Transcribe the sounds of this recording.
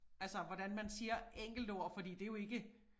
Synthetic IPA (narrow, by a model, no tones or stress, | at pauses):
ælsəʋɒd̥ænmænsiːɐʔeŋ̰ɡ̥l̩d̥ɒɐ̰fɒ̽d̥ḭːd̥e̝jo̝e̝ɡ̥ə